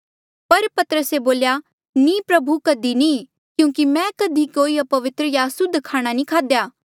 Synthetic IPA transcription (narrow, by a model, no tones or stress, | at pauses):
pɐɾpɐt̪əɾəseboːlja | nĩːpɾɐbʱukɐd̪inĩ | kjũːkimɛ̃kɐd̪ʱikoːiɐpɐʋɪt̪ɾəjasʊd̪ʱkʰaːɽ̃anĩkʰaːd̪jaː